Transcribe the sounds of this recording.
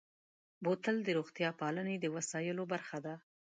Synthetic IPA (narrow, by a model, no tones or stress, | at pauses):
bot̪əld̪əɾoɣt̪jɑpɑləned̪əwasɑjəlobaɾxad̪a